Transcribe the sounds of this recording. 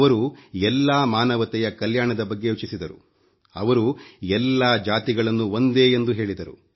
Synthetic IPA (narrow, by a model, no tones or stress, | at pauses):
ɐɾuɛlːaːmaːnɐʋɐt̪ɛjɐkɐljaːɳɐd̪ɐbɐɡːe̞jut͡ʃisid̪ɐɾṵ | ɐ̰ʋɐɾuɛlːaːd͡ʒaːt̪iɡɐɭɐnːuond̪e̞ːend̪uɦe̞ːɭid̪ɐɾṵ